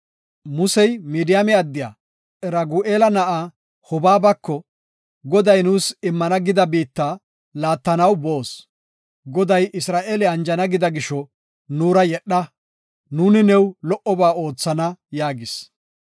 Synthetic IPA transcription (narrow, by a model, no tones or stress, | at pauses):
mʊsɛjmiːd̪ɪjamɛɐd̪ːɪja̰ː | ɛɾɐɡuːʔeːlɐnɐʔa | hɔbaːbɐkːɔ | ɡɔd̪ɐjnuːsɪmːɐnɐɡɪd̪ɐbiːt̪ːaː | laːt̪ːɐnɐwbo̞ːs | ɡɔd̪ɐjɪsɾaːʔeːlɛɐnd͡ʒɐnɐɡɪd̪ɐɡɪʃɔ | nuːɾɐjɛɗːɐ | nuːnɪnɛwlɔʔɔbaːo̞ːt͡sːɐnɐjaːɡɪs